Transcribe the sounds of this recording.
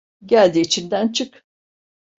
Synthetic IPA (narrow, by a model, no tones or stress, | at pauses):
ɟælʲd̪iːt͡ʃʰind̪ænt͡ʃʰɯk